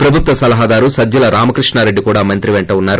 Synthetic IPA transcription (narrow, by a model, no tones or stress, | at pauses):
pɾɐbʱut̪ʋɐsɐlɐɦaːd̪aːɾusɐd͡ʒd͡ʒɐlɐɾaːmɐkɾiʂɳaːɾe̞ɖːikuːɽaːmɐnt̪ɾiʋeɳʈɐunːaːɾu